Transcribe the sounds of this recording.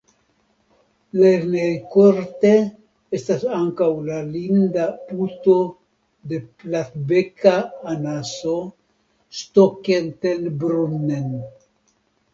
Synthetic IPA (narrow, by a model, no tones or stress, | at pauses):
leɾnejkoɾt̪e | est̪asaŋkawlalind̪aput̪o̞ | d̪e̞plaθbekaːnaso | stokent̪elbɾunːen